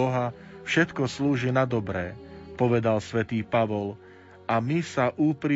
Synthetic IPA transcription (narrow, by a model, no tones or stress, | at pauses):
ɔɦa | fʃɛt̪kɔsluːʒinad̪ɔbɾɛːpɔʋɛd̪alsʋɛt̪iːpaʋɔl | amisaʔuːpɾi